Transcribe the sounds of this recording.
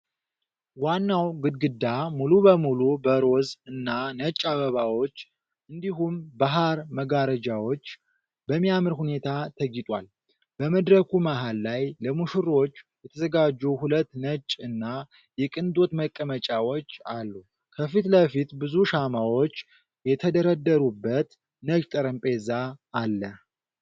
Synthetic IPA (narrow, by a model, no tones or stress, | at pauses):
wanːawɡɨd̪ɡɨd̪amulubəmulubəɾo̞zɨnːanət͡ʃʼːaβəβawo̞t͡ʃː | ʔɨnd̪iɦumbaɦaɾməɡaɾəd͡ʒawot͡ʃː | bəmːijamɨɾhune̞t̪ʰat̪ʰəɡɪt̪ʼwa̰l | bəməd̪ɾəkʰumaɦalːajləmuʃɨɾo̞t͡ʃːjɛt̪ʰəzəɡad͡ʒːɛwhulət̪ːnət͡ʃʼɨnːa | jɛkʼɨnd̪o̞t̪məkʼːəmət͡ʃʼawo̞t͡ʃːalːu | kʰəfit̪ləfit̪bɨzuʃamawo̞t͡ʃː | jɛt̪ʰəd̪əɾəd̪ːəɾubːət̪ | nət͡ʃʼt̪ʼəɾəmpʼezaːlːəh